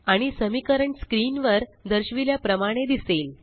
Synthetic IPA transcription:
aɽ̃isəmikəɾəɳskɾiːnʋəɾd̪əɾɕʋiljapɾəmaɽ̃ed̪iseːl

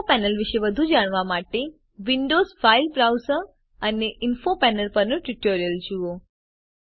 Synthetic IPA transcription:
pɛnəlʋiʃeʋəd̪ʱud͡ʒaɽ̃ʋamaʈe | ʋiɳɖozfailbɾawsəɾ | əneʔɪnfopɛnəlpəɾnoʈuʈoɾijəld͡ʒuo

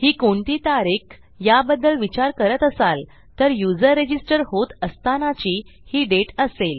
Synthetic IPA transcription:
hiːkoɳʈ̪iːt̪aɾik | jabəd̪ːəlʋit͡ɕaɾkəɾət̪əsal | t̪əɾjud͡zəɾːed͡ʑisʈəɾhot̪əst̪anat͡ɕiːhiːɖeʈəsel

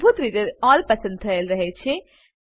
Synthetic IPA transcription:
bʱut̪ɾid̪ɐɾaːlpɐsɐnd̪ʰʱɐjɐlɾɐɦet͡ʃːe

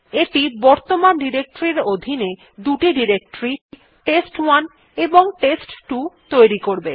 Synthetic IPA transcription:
eʈibɔɾt̪omanɖiɾek̚ʈoɾiɾod̪ʱine | d̪uʈiɖiɾek̚ʈoɾi | ʈesʈwan | eboŋʈesʈʈut̪ojɾikoɾbe

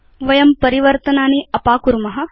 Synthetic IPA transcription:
ʋɐjɐmpɐɾiʋɐɾt̪ɐnaːniɐpaːkuɾmɐɦɐ̆

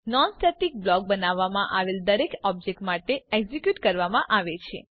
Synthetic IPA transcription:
nɔnsʈɛʈik̚blɔk̚bənaʋamãʔaʋeld̪əɾekɔb̚d͡ʒek̚ʈmaʈeɛɡzikjuʈkəɾʋamãʔaʋet͡ʃʰḛ

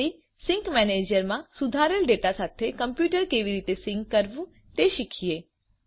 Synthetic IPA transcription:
i | sɪ̃ŋkmɛned͡ʒəɾmãsud̪ʱaɾəlɖeʈasat̪ʰekəmpjuʈəɾkeʋiɾit̪esɪ̃ŋɡːəɾʋũ | t̪eʃikʰie

